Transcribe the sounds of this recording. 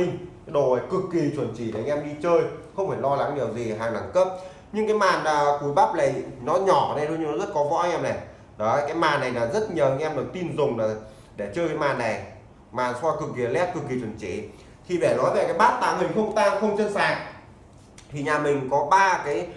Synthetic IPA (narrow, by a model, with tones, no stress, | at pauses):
i˧ŋ | ɗo˨˩wə˨˩jkɨ˨˩kːi˨˩t͡ɕwə˧˩nt͡ɕi˧˩˨ɗe˨˩˨ŋʔɛ˧mɗi˧t͡ɕəː˧jxə˧wŋ͡mfaː˧˩lɔ˧la˨˦ŋɗi˨˩əwzi˨˩ɦaː˨˩ŋna˧˩ŋkə˦˥p̚ | ɲɨ˧ŋkaː˨˦jmaː˨˩nlaː˨˩ku˨˦jɓa˦˥p̚la˨˩jnɔ˨˦ɲɔ˧˩˨ne˧˩jɗɲɨ˧nɔ˨˦zə˦˥t̚kɔ˨˦vɔ̰˧˥ʔɛ˧mnɛ˨˩ | ɗɔ˨˦˧jkaː˨˦jmaː˨˩nːa˨˩jlaː˨˩zə˦˥t̚ɲəː˨˩i˧ŋʔɛ˧mɗɨ˨˩w̚t̪i˧nzʊ˨˩ŋ͡mlaː˨˩ | ɗe˧˩t͡ɕəː˧jka˨˦jmaː˨˩nːa˨˩j | maː˨˩nswɔː˧jkɨ˨˩k̚ːi˨˩ə˨˩lɛ˦˥p̚kɨ˨˩k̚ːi˨˩t͡ɕwə˧˩nt͡ɕḭ˧˩ | t̪ʰi˧ɓɛ˧˩nɔ˨˦jve˨˩kaː˨˦jɓaː˦˥t̚t̪aː˧˩mï˨˩ŋ̟xə˧wŋ͡mt̪aː˧ŋxə˧wŋ͡mt͡ɕə˧nsaː˨˩ŋ̚ | t̪ʰi˨˩ɲaː˨˩mï˨˩ŋ̟kɔ˨˦ɓaː˧kaː˨˦j